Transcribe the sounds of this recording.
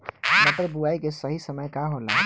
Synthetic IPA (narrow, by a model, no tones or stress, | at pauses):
mət̪ɾəbuaikesəɦisəməjkaɦolã̰